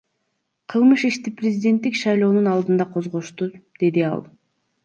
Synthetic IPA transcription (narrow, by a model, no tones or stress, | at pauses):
qʰɯlˠmɯʃiʃt̪iprʲɪzʲidʲe̞nt̪ːikʃɑjlˠo̞ːnunɑlˠd̪ɯnd̪ɑqʰo̞zʁoʃt̪ud̪̥e̞d̪iɑ̰lˠ